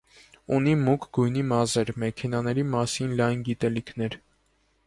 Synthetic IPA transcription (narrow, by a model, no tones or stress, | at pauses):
unimukʰɡujnimɑzɛɾmɛkʰɛnɑnɛɾimɑsinlɑjnɡit̪ɛlikʰn̪ɛɾ